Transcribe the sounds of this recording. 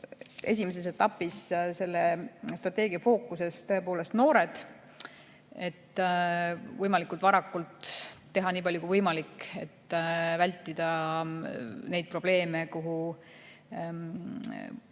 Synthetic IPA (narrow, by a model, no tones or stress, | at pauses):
ʔe̞̰s̬ʲimes̬e̞s̬e̞t̪ːɑpːisse̞lːest̪rɑt̪ːˑe̞ːɡ̥iɑfo̞ːkːˑuse̞st̪ø̞e̞po̞ːle̞st̪no̞ːɾe̞d̪̥ | e̞t̪ː | vɤjmɑlikˑult̪vɑɾɑkːˑult̪ː | e̞ɦɑniːpɑlʲjukuivɤjmɑlikːe̞̰t̪ːvælʲt̪ːˑid̪̥ɑ | ne̞jd̪̚pro̞b̥le̞ːme̞kuɦu